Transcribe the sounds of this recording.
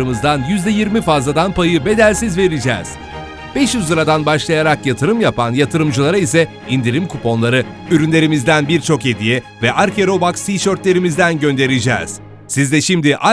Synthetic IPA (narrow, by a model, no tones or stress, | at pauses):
ɯmɯzd̪anjyzd̪ɛjiɾmifazlˠad̪anpajɯbe̞d̪ælʲsizve̞ɾid͡ʒɛ̰ːz̥ | b̥ɛʃjyzɯɾad̪anbaʃlˠajaɾakjat̪ʰɯɾɯmjapʰanjat̪ʰɯɾɯmd͡ʒɯlˠaɾaisɛ | ind̪iɾimkʰupo̞nlˠaɾɯyɾynlʲe̞ɾimizd̪ænbiɾt͡ʃʰo̞ke̞d̪ijɛ | vɛʔaɾcʰe̞ɾo̞baksiʃøɾt̪lʲe̞ɾimizd̪ænɟø̞nd̪e̞ɾid͡ʒɛ̰ːz̥ | sizd̪ɛʃimd̪iʔa